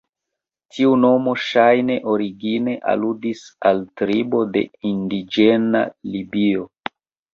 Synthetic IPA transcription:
tʰiuno̞mo̞ʃajne̞ʔo̞ɾiɡine̞ʔa̰ludisaltɾibo̞de̞̰indid͡ʒena̰libio̞

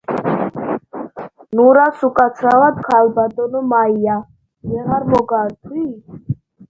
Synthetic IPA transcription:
nuɾasukʼat̪sʰɾawad̪kʰalbad̪ɔnɔmaija | jɛʁaɾmɔɡaɾt̪ʰwi

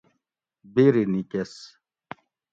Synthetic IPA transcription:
biɾinikes

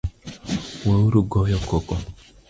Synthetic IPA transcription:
wauɾuɡɔjɔkɔkɔ

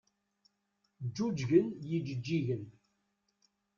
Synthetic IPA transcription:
d͡ʒːud͡ʒʝənjid͡ʒəd͡ʒːiʝən

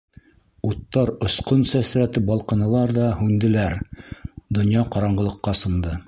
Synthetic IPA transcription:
ut̪ːɑɾŏsqonsæsɾæt̪ɘbɑlˠqɤ̆nɤ̆lˠɑɾðɑhʉnd̪ɘ̆læɾ | d̪ŏnjɑqɑɾɑɴɢɤ̆lˠɤ̆qːɑsɤ̆nd̪ɤ

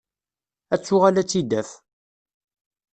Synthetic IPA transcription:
æt͡sːʊʁalæt͡sːid̪æθ

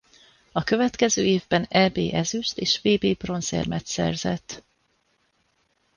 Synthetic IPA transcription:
ɒkø̞vɛt̪kɛzøːeːvbɛnɛbeːʔɛzyʃt̪eːʃveːbeːbro̞nsḛrmɛt̪sɛ̰rzɛ̰t̪ː

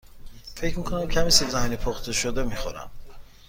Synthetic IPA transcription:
fe̞cmiːkʰonæmcʰæmiselzæhinipʰoxt̪ʰeʃod̪emixoɾæ̰m

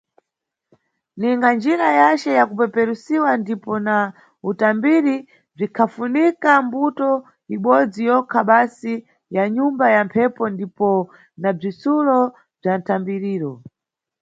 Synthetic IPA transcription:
niŋɡand͡ʒiɾajat͡ʃɛjakupɛpɛɾusiwandipɔna | utambiɾi | b͡ʐikʰafunikambutɔ | iɓɔd͡zijɔkʰaɓasi | jaɲumbajampʰɛpɔndipɔ | nab͡ʐisulɔ | b͡ʐantʰambiɾiːɾɔ

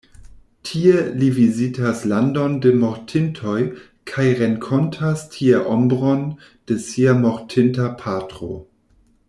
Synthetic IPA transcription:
tʰielivizitʰaslandondemoʁtʰɪntʰoj | kʰajʁeŋkʰɔntʰastʰieʔombʁon | d̥esiamoɾtʰɪntapʰatʁo̰

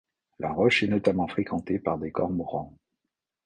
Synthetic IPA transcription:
lʔaʁɔʃɛnɔt̪amɑ̃fχekʰɑ̃t̪epaʁd̪ekɔʁmʁɑ̃

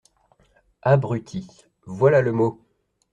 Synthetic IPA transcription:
abʁyt̪ʰi | vwalaləmo

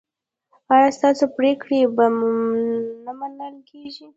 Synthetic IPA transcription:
ɑjɑst̪ɑsopɾekɽeba | namanəlkʰeʒi

